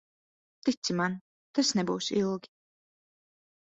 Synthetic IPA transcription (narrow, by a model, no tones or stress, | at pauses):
t̪it̪siman | t̪asnɛbuːsilˠɡʲi̥